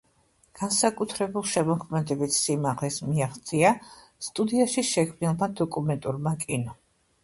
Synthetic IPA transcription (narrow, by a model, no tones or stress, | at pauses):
ɡ̥ansakʼut̪ʰɾɛbulˠʃɛmɔkʰmɛd̪ɛbit̪simaʁlɛsmiaχt̪sʼia | st̪ʼud̪iaʃiʃɛkʰmnilˠmad̪ɔkʼumɛnt̪ʼuɾmakʼinɔ